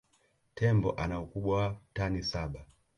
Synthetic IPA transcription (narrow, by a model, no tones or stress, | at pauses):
tʰɛmbɔ̰ʔanaukuɓwawatanisaɓa